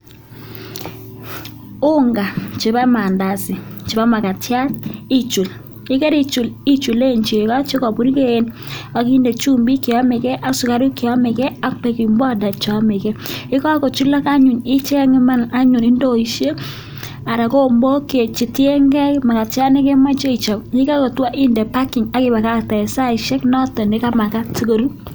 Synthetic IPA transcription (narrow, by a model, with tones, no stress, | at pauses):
ʊ˦ŋɡa˨t͡ʃɪ˨ba˦ma˨nda˨sɪ˨t͡ʃɪ˨ba˦ma˨ka˨tja˦ti˦t͡ʃu˨l | ɪ˦kɛ˦ɾi˦t͡ʃu˨li˦t͡ʃu˨le˦˨nt͡ʃe˨ka˦t͡ʃe˦kɔ˨bu˨ɾi˦ke˦˨n | a˨ki˦nde˨t͡ʃu˦mbi˦kɪ˨ɔ˦mɪ˨kɛ˦ʔa˦sʊ˨ka˦ɾɪ˦kɪ˨ɔ˦mɪ˨kɛ˦a˦pe˨ki˨mbɔ˦˨da˨t͡ʃɔ˦mɪ˨kɛ˦ɪ˦kɔ˦ko˨t͡ʃu˦la˦ka˦ɲʊ˨nɪ˦t͡ʃɛ˦ŋɪ˦ma˦na˦ɲʊ˨nɪ˦ndo˦i˨ʃe˦ | a˨ɾa˨ko˦˨mbo˦ke˨t͡ʃi˨tje˦ŋɡɛ˦ma˨ka˨t͡ʃa˦nɪ˦kɛ˦ma˦t͡ʃe˦i˨t͡ʃɔ˨kɲɪ˦ka˦ko˨twa˦ʔɪ˦nde˨pa˦kɪ˨ŋa˦kɪ˦ba˨ka˦tɛ˨sa˦˨ɪ˨ʃɛ˦knɔ˦tɔ˨nɪ˨˦ka˦ma˨ka˦ti˦ko˦ɾu˦